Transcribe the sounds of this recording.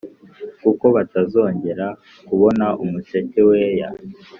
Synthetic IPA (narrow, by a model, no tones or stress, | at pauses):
kuko̞βatazo̞ːɲɟe̞ɾa | kuβo̞naʔumut͡ʃeceweja̰